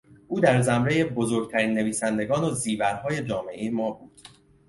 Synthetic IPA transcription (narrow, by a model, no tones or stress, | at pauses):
ʔuːd̪æɾzæmɾe̞je̞bo̞zoɾɡ̚t̪ʰæɾiːnːe̞viːsænd̪e̞ɡɒːnoziːvæɾhɒːje̞d͡ʒɒːme̞ʔejemɒːbuːd̪̥